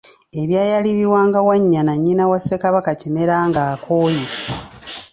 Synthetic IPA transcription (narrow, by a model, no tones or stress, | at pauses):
e̞βjaːjaliɾiɾwaːŋɡawaɲːanaɲːinawasːekaβakacime̞ɾaːŋɡaːkʰoːji